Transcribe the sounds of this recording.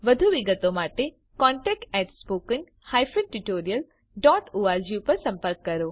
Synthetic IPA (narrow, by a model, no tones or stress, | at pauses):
ʋɐd̪ʱuʋɪɡət̪omaːʈe | kɔ̃ːɳʈɛːk̚ʈɛːʈspoːkɪŋ | haːjfənʈuʈoːɾijəl | ɖɔːʈuʋad͡ʑupɐɾsɐ̃mpəɾkːɐɾoː